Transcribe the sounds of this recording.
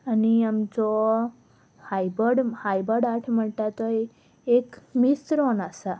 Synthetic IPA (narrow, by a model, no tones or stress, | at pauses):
əniəmd͡ʒo | hajbəɽhajbəɽaʈʰməɭʈat̪oe | ekmist̪ɾonasa